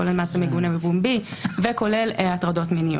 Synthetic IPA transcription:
olelmaːsemeɡunabebumbiveko̞le̞latʁado̞tminijo̰

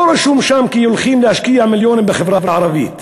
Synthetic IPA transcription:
ɾaʃuːmʃaːmkijʊlxiːmlɪʔaʃkɪjamɪljoːnɪbɪxɪfɾɑbɾʕɑɾˤɑbiːt̪

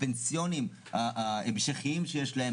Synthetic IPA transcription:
pensijo̞nim | aʔaemʃaχiimʃejeʃlahe

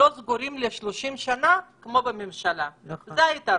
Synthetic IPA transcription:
o̞zɡuɾimleʃloʃimʃanakmo̞bememʃalazzeaita

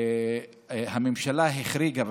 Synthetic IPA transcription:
hamemʃalaɦiχɾiɡav

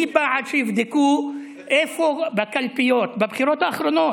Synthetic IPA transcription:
ibaʕad̪ʃɛjifd̪eku | ʔefobakalpijot̪babχiɾot̪aːχɾonot

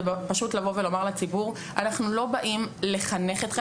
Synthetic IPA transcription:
paʃutlavo̞ve̞lo̞maʁlat͡sibuʁ | ʔanaχnulo̞baʔimle̞χane̞χet̪χe

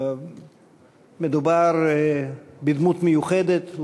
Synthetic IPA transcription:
med̪ubaɾ | bid̪mut̪mejuχed̪et̪

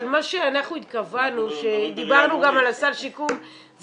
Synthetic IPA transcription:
lmaʃeanaχnuit̪̚kavanuʃe̞d̪ibaʁnuɡamalasaʁʃikum | z

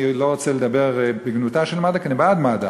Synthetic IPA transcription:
iloʁot͡seled̪abeʁbiɡnut̪aʃelmadakenibad̪mad̪a

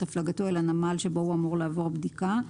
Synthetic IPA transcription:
aflaɡatoelanamalʃe̞bo̞huamuʁleavo̞ʁbd̪ika

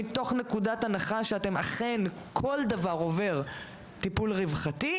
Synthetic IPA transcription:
ito̞χne̞kudatanaχaʃeate̞maχen | kʰo̞ldavaʁo̞ve̞ʁ | tipulʁivχati

